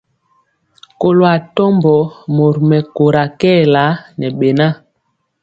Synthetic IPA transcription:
ko˨lo˨a˨tɔ˦mbɔ˨mo˨ɾmɛ˨ko˨ɾa˨kɛː˦˨la˨˦nɛ˨ɓe˨na˦

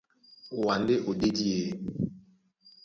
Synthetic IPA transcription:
o˨wa˨n˦de˦ʔo˨de˦di˦e˨˦

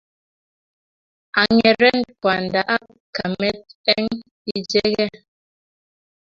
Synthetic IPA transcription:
a˨ŋɛ˨ɾɛ˦npwa˨nda˨ʔa˦ | ka˨mɛ˦t̚ɛ˦ŋ | i˦d͡ʒɛ˦ɣɛ˦˨

